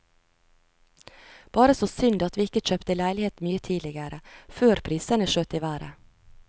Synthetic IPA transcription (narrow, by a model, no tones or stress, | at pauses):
b̥ɑːɾəsoːsʏnd̪ɑt̪ʋiːɪkəc͡çøːpt̪əlæɪlɪheːt̪myːət̪ʰiːd̪lɪɡəɾəføːɾpʰɾiːsənəʃøːt̪iʋæːɾə̰